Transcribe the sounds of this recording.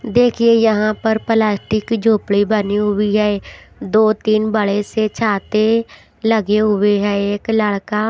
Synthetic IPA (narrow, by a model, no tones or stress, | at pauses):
d̪eːkʰieːjəɦãːpəɾpəlaːsʈɪkd͡ʒoːpɽiːbəniːɦʊʋiːɦɛːe | d̪oːt̪ɪnbəɭeːseːt͡ʃʰaːt̪eː | ləɡeːɦʊʋeːɦɛɪkləɭkaː